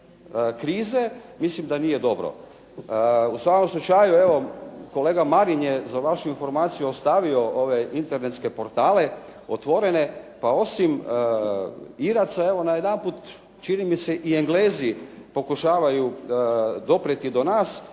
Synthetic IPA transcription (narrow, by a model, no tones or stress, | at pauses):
kɾiːze̞mislimd̪anije̞d̪o̞bɾo̰ | usʋako̞mslˠut͡ʃajue̞ʋo̞ko̞le̞ːɡamaɾinjezaʋaʃuinfo̞ɾmaːt̪sijuost̪aʋio̞ʔo̞ʋe̞int̪eɾnet̪ske̞po̞ɾt̪aːle̞ | ot̪ʋo̞ɾe̞ne̞pao̞sim | iɾat̪sae̞ʋo̞najed̪anpuːt̪ | t͡ʃinimiseʔieŋɡleːzipo̞kuʃaːʋaju | d̪o̞pɾet̪id̪o̞naːs